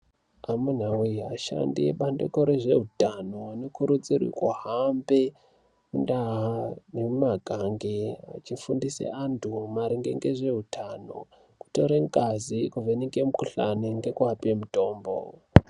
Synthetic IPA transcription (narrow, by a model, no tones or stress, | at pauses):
amun̤awuaʃa̰ndiḛɓandḛkoɾeʐe̞ɦutanoanokuɾut͡sirḭkwaɦambe | kundaɦanemumaɡʱaŋɡea̰t͡ʃifundisḛʔantʰumaɾiŋɡe̞̰ŋɡeʐe̞ɦutʰano̞̰ | ku̥to̞ɾeŋkʼazikuvenikemukuɬaniŋɡe̞kuapemuto̞ːmbo̰